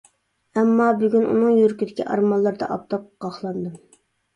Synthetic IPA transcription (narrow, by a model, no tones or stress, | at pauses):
ɛmːɑbyɡʲynʔṵnɨŋjyɾkʲid̪ɪkʲʰiʔɑɾmɑlˠːɑɾd̪ɑ̰ʔɑp̚t̪ʰɑp̚qɑχlˠɑnd̪ɨm